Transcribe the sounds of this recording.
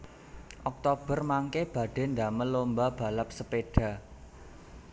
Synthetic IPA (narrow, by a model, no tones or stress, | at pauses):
ʔɔk̚t̪ob̥ə̤rmaŋkeb̥ä̤ɖ̥ɛ̤nda̤məlombab̥ä̤lap̚səpeɖ̥a̤